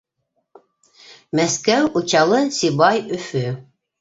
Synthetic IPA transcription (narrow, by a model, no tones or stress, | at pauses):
mæskæwut͡ɕɑlˠɤsʲibɑjɵfɵ